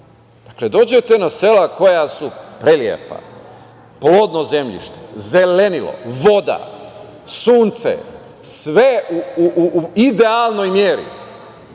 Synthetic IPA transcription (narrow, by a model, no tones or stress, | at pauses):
d̪̥akle̞d̪o̞ːd͡ʑe̞t̪e̞nase̞lako̞jasupɾeljḛpa̰ | plo̞ːd̪no̞ze̞mʎḭʃt̪e̥zele̞nilo̞̰ʋo̞d̪a̰ | suːnt̪sḛ | sʋeuuʔuid̪ealno̞jmjeːɾḭ